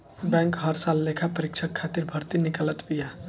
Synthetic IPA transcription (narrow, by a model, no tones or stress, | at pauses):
bɛ̃ːŋkɦəɾsalːekʰapəɾɪkt͡ʃʰəkʰːat̪iɾbʱəɾt̪inɪkələt̪bija